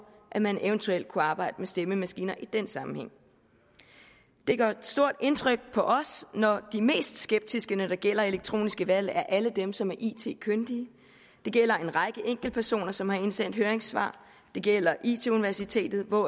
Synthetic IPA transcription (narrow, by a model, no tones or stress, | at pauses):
ʔæmæneʊənt͡sʰueld̥̚kʰuɑ̈ːb̥ɑ̈ɪ̰d̥əmesd̥eməmæsɡ̥ḭːnɐʔid̥ensɑ̈mm̩heŋ̰ | d̥e̝ɡ̥ɶsd̥o̝ɐ̰d̥e̝nt͡sʰʁœɡ̥̚pʰɒ̽ʔɒ̽snɒd̥ime̝̰ːsd̥sɡ̥eb̥̚d̥isɡ̥ənəd̥ɑ̈ɡ̥el̰ɐe̝leɡ̥̚t͡sʰʁo̝̰ːnisɡ̥əʋæl̰æɐʔæləd̥emsɒ̽mæɐʔḭt͡sʰe̝̰ːkʰønd̥iə | d̥e̝ɡ̥el̰ɐe̝nʁɑ̈ɪɡ̥əʔeŋ̰ɡ̥l̩pʰæɐso̝̰ːnɐsɒ̽mhɑ̈e̝nsen̰d̥høːɐeŋsʋɑ̰̈ː | d̥e̝ɡ̥el̰ɐʔḭːt͡sʰe̝uniʋæɐsit͡sʰe̝̰ːd̥ð̩ˠʋɒ